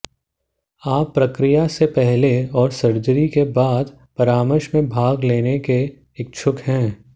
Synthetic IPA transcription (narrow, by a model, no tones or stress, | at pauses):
aːpːɾəkɾijasepɛɦleɔːɾsɐɾd͡ʒəɾikebaːd̪ | pɐɾaːməɾʃmẽbʱaːɡleːnekeː | k̚t͡ʃʰʊkɦɛ̃ː